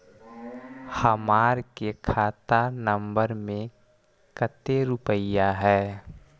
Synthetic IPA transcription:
həmaːɾkekʰaːt̪anəmbəɾmẽ | kət̪eɾʊpəjaɦɛː

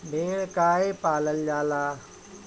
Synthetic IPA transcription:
bʱeːɽkaːepaːləljaːlaː

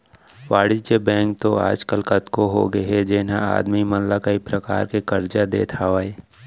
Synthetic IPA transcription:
ʋaːɽɪd͡ʒebɛ̃ːŋk̚t̪oa̰ːd͡ʒkəlkɐt̪koɦo̰ɡəɦɛd͡ʒeːnaa̰ːd̪mimɐnlakaipɾɐka̰ːɾkekɐɾd͡ʒad̪ḛːt̪ʰaːʋaeː

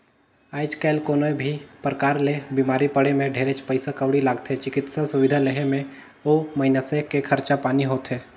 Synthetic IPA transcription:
aːɪd͡ʒkaɪlkoːnoẽbʱipɾəkaːɾlebiːmaːɾipəɽemẽɖʱeːɾet͡ʃpəɪsakəʋɽilaːɡt̪ɦɛt͡ʃɪkɪt̪sasʊʋɪd̪ʱaleɦemẽ | omɐɪnasekekʰɐɾt͡ʃapaːniɦoːt̪ɦɛː

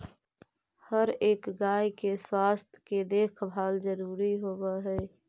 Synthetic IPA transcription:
həɾeːkɡaːjkeswaːst̪ʰked̪eːkʰbʱaːlzəɾuːɾiɦoːwaɦɛː

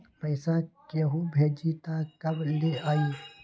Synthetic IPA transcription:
pəɪsãkeɦubʱeːd͡ʒit̪akəbleaːi

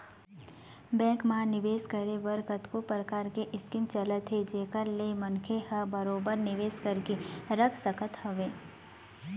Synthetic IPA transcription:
bɛ̃ːŋkmaːnɪʋeːskəɾeʋəɾkət̪kopɾəkaːɾkeʔɪskimt͡ʃələt̪ɦed͡ʒeːkəɾlemɐnkʰehəbəɾoːbəɾnɪʋeːskəɾkeɾəkʰsəkət̪hɐʋẽː

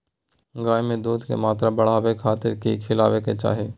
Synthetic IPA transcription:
ɡaːjmẽd̪uːd̪ʱkḛmaːt̪ɾabəɽ̤aːʋekʰaːt̪ɪɾkikʰɪla̰ːʋeket͡ʃa̰ːɦeː

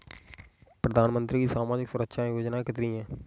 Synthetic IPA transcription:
pɾəd̪aːnmə̃nt̪ɾiːkiːsaːmaːd͡ʒɪksʊɾəkʃãːjoːd͡ʒnãːkɪt̪ɾiːɛ̃ː

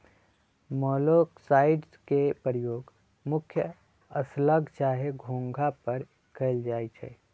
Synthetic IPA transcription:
mɔːloːksaːɪɖzkepəɾjoːɡ | mʊkʰjə | əsləɡʱt͡ʃaːɦeɡʱõːŋɡʱapɐɾ | kʰeɪld͡ʒaːit͡ʃʰɛ̰ː

